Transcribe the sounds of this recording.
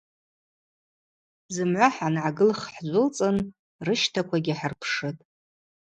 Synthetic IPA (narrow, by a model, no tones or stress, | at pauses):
zɨmʕʷaħanʕaɡɨlχħd͡ʒʷʊlt͡sʼɨn | rɨʃtʰakʷʰaɡʲɪħarpʰʂɨtʼ